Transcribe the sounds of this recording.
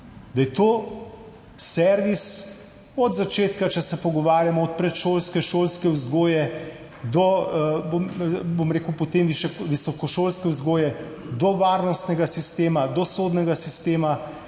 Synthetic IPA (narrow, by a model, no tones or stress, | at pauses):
d̪ajɛt̪oː | sɛɾʋis | ɔd̪zat͡ʃeːt̪kat͡ʃɛsɛpɔɡɔʋaːɾjamɔɔt̪̚pɾɛt̪ʃoːlskɛʃoːlskɛwzɡoːjɛ | d̪ɔbobomɾeːkəwpot̪emʋiʃʋisɔkɔʃoːlskɛwzɡoːjɛ | d̪ɔʋaːɾnɔst̪nɛɡasist̪eːmad̪ɔsoːd̪nɛɡasist̪eːma